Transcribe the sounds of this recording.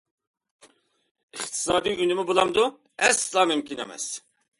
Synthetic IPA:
iχt̪ʰi̥sɑːd̪iɡunimubulamd̪u | ɛst͡samimkʰʼina̰mɛ̰s

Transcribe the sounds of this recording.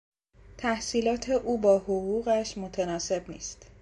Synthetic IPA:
t̪ʰæhsiːlɒːt̪ʰe̞ʔuːbɒːhoɣuːɣæʃmo̞t̪ʰenɒːse̞bnḭːst̪

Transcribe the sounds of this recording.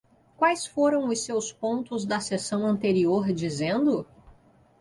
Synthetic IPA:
kwajsfoɾɐ̃w̃ʊsewspõnt̪ʊzd̪ɐsesɐ̃w̃ɐ̃nt̪eɾioɾd͡ʒizẽnd̪ʊ

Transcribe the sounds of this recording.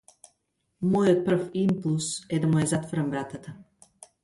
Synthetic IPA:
mɔjot̪̚pr̩fimpulˠsɛd̪amujazat̪vɔɾambɾat̪at̪a

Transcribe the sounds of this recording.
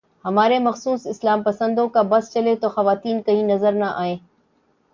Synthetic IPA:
hɐmaːɾemɐxsuːsɪslaːmpɐsə̃nd̪okãbɐst͡ɕɐlet̪oxɐʋaːt̪iːnkɐ̃ɦĩnɐzəɾnaʔa̰ːɦẽː

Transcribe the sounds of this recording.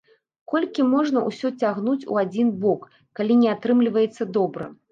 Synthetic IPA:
kɔlʲkʲimɔʐnɐṵsʲɔt͡sʲaɣnut͡sʲṵad͡zʲinbɔkː | alʲinʲɛat̪ɾɨmlʲivɐjɛt̪sːɐd̪ɔbɾɐ̰

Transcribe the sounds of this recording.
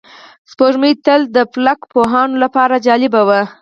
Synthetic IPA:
spoʒmit̪əld̪əplakpoɦɑnolapɑɾad͡ʒɑlɪbawa

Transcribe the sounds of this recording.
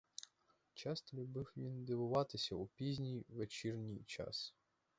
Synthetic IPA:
t͡ʃɑst̪ɔlʲubɪwʋʲind̪ɪʋʊʋɑt̪ɪsʲɐupʲizʲnʲijʋet͡ʃirnʲijt͡ʃɑ̰s

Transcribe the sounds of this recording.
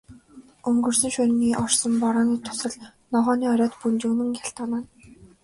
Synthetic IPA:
ɵŋɡɵ̆rsɵ̆ŋʃʊɾʲniːʔɔrsɞ̆mpɔɾɔːniːt̪ʰʊ̥sə̆ɮnɔʁɔːniːɔɾʲɔːt̪punt͡ɕuːnɘ̆ŋjaɬt̪ɔːnaːn

